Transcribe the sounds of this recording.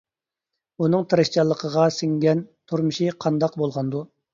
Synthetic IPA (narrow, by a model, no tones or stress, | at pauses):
unɨŋt̪ʰɨɾɨʃt͡ʃɑlˠːəqʰəʁɑsɪŋɡʲɛnt̪ʰuɾmɨʃiqʰɑnd̪ɑqbolˠʁɑnd̪u